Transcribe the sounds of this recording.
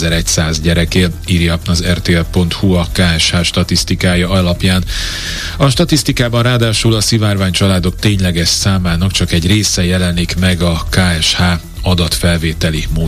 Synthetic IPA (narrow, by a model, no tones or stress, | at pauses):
zɛɾɛcsaːzɟɛɾɛkeːliɾjɒɒzɛrt̪eːɛlpo̞nt̪huɒkaːɛʃhaːʃt̪ɒt̪ist̪ikaːjɒɒlɒpjaːn | ɒʃt̪ɒt̪ist̪ikaːbɒnraːd̪aːʃulɒsivaːrvaːɲt͡ʃɒlaːd̪o̞k̚t̪eːɲlɛɡɛʃsaːmaːnɒkt͡ʃɒkɛɟreːsɛjɛlɛnikmɛɡɒkaːɛʃhaː | ɒd̪ɒt̪fɛlveːt̪ɛlimoː